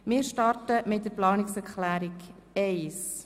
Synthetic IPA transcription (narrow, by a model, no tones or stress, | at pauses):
mɪːɾʃtɑrtəmɪt̚dəɾplɑːnɪksɛɾklæːɾikɛɪs